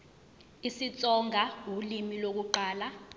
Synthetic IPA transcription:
isit͡sʼɔŋʱaulimilok̬uǃaːla

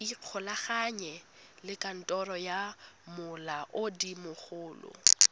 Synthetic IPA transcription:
iq͡χʰʊlaχaɲɛ | lɪkʼan̩tʼɔrɔjamʊlaʔʊdimʊχʊːlʊ̰

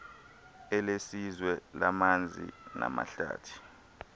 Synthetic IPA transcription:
ɛlesizwɛlamand͡zʱina̰maɬaːtʰi̥

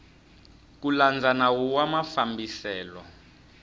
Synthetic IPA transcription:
kuland͡zanawuwamafambisɛːlɔ

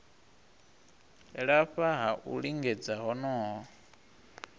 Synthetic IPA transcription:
ɺaɸaɦaʔṵɺiŋɡɛd͡zaɦɔnɔːɦɔ

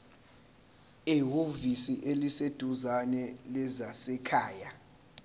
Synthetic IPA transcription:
ɛɦovisiʔelised̥ʱuzanɛlɛzasɛkʰaːja

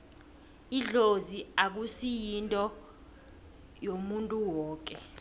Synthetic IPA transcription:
iɮoziak̬usijintʼɔ | jomuntʼuwɔːk̬ʼɛ

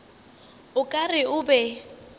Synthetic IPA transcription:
ʊkʼarɪʊbɛ

